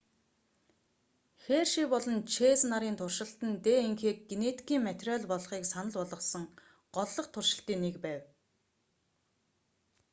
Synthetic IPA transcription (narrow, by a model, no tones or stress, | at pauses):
xeːrʃipɔɮɞ̆nt͡ɕʰeːt͡snaɾiːnt̪ʰʊrʃɪ̆ɬt̪ə̆nt̪eːeŋxeːk̚ɡenet̪kʰiːŋmæt̪rʲœɮpɔɮχiːksanə̆ɮpɔɮɞ̆sə̆ŋ | ɢ̥ɔɮːɞ̆qt̪ʰʊrʃɪ̆ɬt̪iːŋnːekpæːw